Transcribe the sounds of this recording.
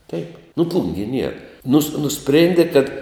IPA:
tʲɛɪp nʊ ˈplˠʊŋʲɡʲiɛ nʲiɛr nʊs nʊˈsʲpʲrʲeːnʲdʲɪ kɐt

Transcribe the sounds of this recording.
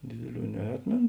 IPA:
ˈdʲeːdʲeːˌlʲuː nʲɛˈɑːtʲmʲeːn

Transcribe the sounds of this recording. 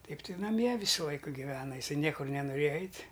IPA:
ˈtɐɪp tɐɪ nɐˈmʲiɛ ˈʋʲiːsʊ ˈlˠɐɪkʊ ɡʲɪˈʋʲæːnɐ ɪˈsɐɪ ˈnʲiɛkʊr nʲɛnʊˈrʲeːjɛ ˈɛɪtʲ

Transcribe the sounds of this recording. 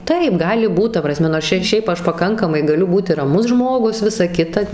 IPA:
ˈtɐɪp ˈɡɑːlʲɪ ˈbuːt ˈtɐ prɐˈsʲmʲɛ noːrs ˈt͡ʃʲɛ ɪr ˈʃʲɛɪp ˈɐʃ pɐˈkɐŋkɐmɐɪ ɡɐˈlʲʊ ˈbuːtʲɪ rɐˈmʊs ˈʒmoːɡʊs ˈʋʲɪsɐ ˈkʲɪtɐ

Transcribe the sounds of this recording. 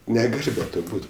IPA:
nʲɛˈɡɐlʲ bʲɛ ˈtoː ˈbuːt

